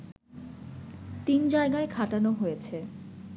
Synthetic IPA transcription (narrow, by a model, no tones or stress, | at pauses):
t̪ind͡ʑaeɡaekʰaʈanoɦojet͡ɕʰe